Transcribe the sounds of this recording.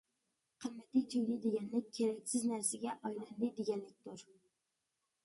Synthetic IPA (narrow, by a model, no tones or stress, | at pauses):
qʰəɾmɛt̪it̪ʰyjʲlɪd̪eɪɡʲɛnlɪkʲʰːeɾɛkʲsɪznæɾsɪɡʲɛʔɑjlˠɑnlɨd̪eɡʲɛnlɪk̚ʲt̪ʰuɾ